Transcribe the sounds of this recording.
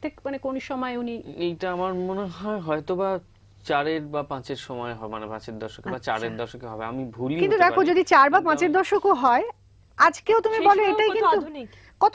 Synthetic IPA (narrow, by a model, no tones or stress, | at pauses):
t̪ʰekmanekonʃɔmɔeuniejʈaamaɾmoneɦɔeɦɔet̪oba | t͡ɕaɾeɾbapãt͡ɕeɾʃɔmɔeɦɔbemanepãt͡ɕeɾd̪ɔɾʃokebat͡ɕaɾeɾd̪ɔɾʃokeɦɔbea̰mibʱulkint̪ud̪ɛkʰod͡ʑod̪it͡ɕaɾbapãt͡ɕeɾd̪ɔɾʃokoɦɔe | ad͡ʑkeot̪umibɔleeʈajkint̪u | kɔt̪